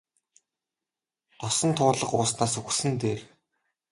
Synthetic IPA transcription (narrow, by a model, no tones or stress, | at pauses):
t̪ɔsɞ̆nt̪ʰʊːɮə̆qʊːsnaːsɵxsɘ̆nt̪eːr